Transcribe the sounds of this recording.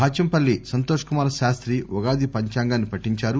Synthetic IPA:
baːt͡ʃɐmpɐlːisɐnt̪oːʂɐ̥kumaːɾɐʃaːst̪ɾiʋɔɡaːd̪ipɐɲt͡ʃaːŋɡaːnːipɐʈːiɲt͡ʃaːɾu

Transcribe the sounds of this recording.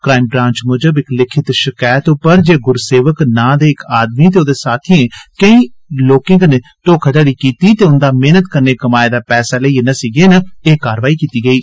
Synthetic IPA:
kɾaːɪmbɾãːɲt͡ʃmoːd͡ʒəbɪklɪkʰɪt̪ʃɪkaːjt̪opəɾd͡ʒeːɡʊɾseːʋəknãːd̪eːɪkaːd̪miːt̪eːoːd̪eːsaːt̪ʰiːẽːkəĩːloːkɪ̃ŋɡneːʈoːkʰət̪əɽiːkiːt̪iːt̪eːʊnd̪aːmeːnət̪kəɾneːkəmaːed̪aːpɛːsaːləiːenəsiːɡeːnəeːkaːɾʋaːiːkiːt̪iːɡəiː

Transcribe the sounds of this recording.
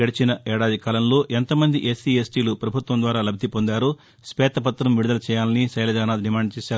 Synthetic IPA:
eɽit͡ʃinɐɛːɽaːd̪ikɐaːlɐnlo̞ːʔent̪ɐmɐnd̪iʔesiesʈiːlupɾɐbʱut̪ʋɐnd̪ʋaːɾaːlɐbʱːipond̪aːɾuː | spɛːt̪ɐpɐt̪ːɾɐmʋiɽud̪ɐlɐt͡ʃɛːjaːlɐnisɐjlɐd͡ʒaːnaːd̪ɖimaːɳɖɐt͡ʃɛːsaːɾu

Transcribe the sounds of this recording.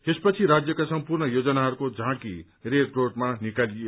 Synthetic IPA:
t̪espʌt͡sʰiɾad͡zjʌkasʌmpurnʌjod͡zʌnaɦʌɾukod͡zʱãkḭ | rekrorʈmanikalie

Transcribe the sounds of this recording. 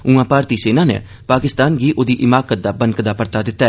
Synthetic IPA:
ũãːpaːɾt̪iːseːnãːnḛː | paːkɪst̪aːnɡiːʔoːd̪iːʔɪmaːkət̪̚d̪aːbənkd̪aːpəɾt̪aːd̪ɪt̪ːaː

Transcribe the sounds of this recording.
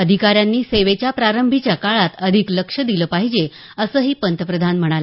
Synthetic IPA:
əd̪ʱikaɾjanːiːseʋet͡ɕjapɾaɾəmbʱit͡ɕjakaɭat̪əd̪ʱikləkʂəd̪iləːpaɦid͡ʑe | əsəːɦiːpənt̪ʰəpɾəd̪ʱanm̤əɽ̃ale

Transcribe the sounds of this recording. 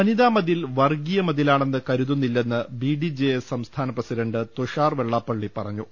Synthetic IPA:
ɐniðaːmɐðilʋɐrɡijɐmɐðilaːɳe̞nːɨkɐɾuðunːilːe̞nːɨbiɖid͡ʑejessɐmst̪ʰaːnɐprɐsiɖɐɳɖɨt̪uʂaːrʋe̞ɭːaːpːɐɭːipɐrɐɲːu

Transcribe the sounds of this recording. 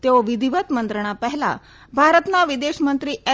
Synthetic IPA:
t̪eoʋid̪ʱiʋət̪mənt̪ɾəɳ̃apəɦla̰ | bʱaɾət̪naʋid̪eɕmənt̪ɾiːe

